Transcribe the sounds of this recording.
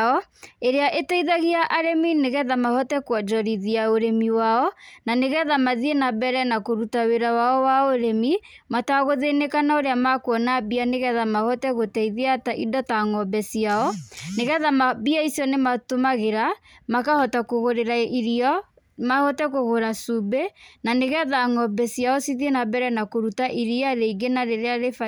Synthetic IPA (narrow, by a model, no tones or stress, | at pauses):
ɔeɾeaʔetɛiðaɣiaʔaɾemineɣɛðamahɔtɛkwɔd͡ʒɔɾiðiaoɾemiwaɔnaneɣɛðamaðienabɛɾɛnakoɾutaweɾawaɔwaoɾemi | mataɣoðenekanaoɾeamakwɔnabianeɣɛðamahɔtɛɣotɛiðeataʔidɔtaŋɔbɛsiaɔneɣɛðamabiaisijɔnematomaɣeɾamakahɔtakoɣoɾeɾaiɾiɔ | mahɔtɛkoɣoɾasubenaneɣɛðaŋɔbɛsijaɔsiðienabɛɾɛnakoɾutaʔiɾiaɾeiɡenaɾeɾeaɾefa